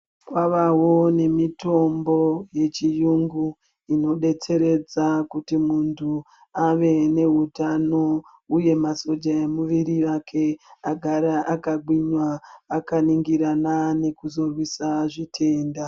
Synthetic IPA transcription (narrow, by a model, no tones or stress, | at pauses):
kwaʋawo̞ne̞mito̞mbo̞je̞t͡ʃijuŋɡu | ino̞ɗe̞t͡se̞ɾe̞d͡zakutimuntʰu | aʋe̞ne̞ɦutano̞ | uje̞maso̞d͡ʒaemuʋiɾiʋakʰe̞aɡʱaɾaʔakaɡ͡bwiɲwaːkaniŋɡiɾanane̞kuzo̞rwisaʐitʰe̞ːnda